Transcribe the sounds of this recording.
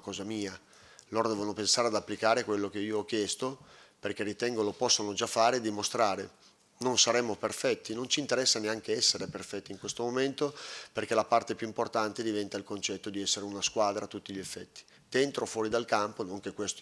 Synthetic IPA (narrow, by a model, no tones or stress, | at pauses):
kɔːzamiːa | loːɾod̪ɛːvonopensaːɾead̪apːlikaːɾekwelːok̟eiːoɔk̟ːjɛst̪operk̟erit̪ɛŋɡolopɔsːonod͡ʒafːaːɾeːd̪ːimost̪ɾaːɾe | nonsaɾɛmːoperfɛt̪ːinont͡ʃiːnt̪eɾɛsːaneaŋkeɛsːeɾeperfɛt̪ːiŋkwest̪omoment̪operk̟elapart̪epjuimport̪ant̪ed̪ivɛnt̪ailkont͡ʃɛt̪ːod̪iɛsːeɾeunaskwaːd̪ɾat̪ːut̪ːiʎiefːɛt̪ːi̥ | d̪̥ent̪ɾofwɔːɾid̪alkamponoŋk̟ekːwest̪o